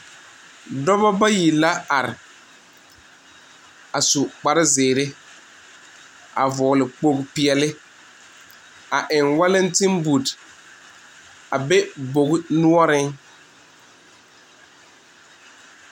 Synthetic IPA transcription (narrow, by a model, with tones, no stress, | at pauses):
dɔ˦bɔ˦ba˦ji˨la˦a˨ɾɪ˨ | a˨su˨k͡pa˨ɾɪ˦zɪː˨ɾɪ˦ | a̰˨vɔː˨lɪ˨k͡po˦˨kpi˨ɛ˨lɪ˦ | a˨ʔɪ˨ŋwa˦lɪ˦n˦tɪ˦mbu˨d | a˨bɛ˦bo˨ɡnu˦ɔ˦ɾɪ˦ŋ